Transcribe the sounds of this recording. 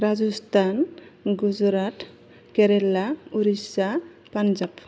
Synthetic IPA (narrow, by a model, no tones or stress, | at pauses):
ɾad͡ʒust̪ʰanɡuzɾat̪ | keɾelauɾisa | pand͡ʒap